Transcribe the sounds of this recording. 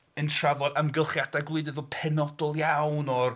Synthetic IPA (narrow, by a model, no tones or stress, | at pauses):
əntʰravɔdamɡɪlˠχjadaɡlˠɨdɨvɔpʰɛnɔdɔlˠjawnɔr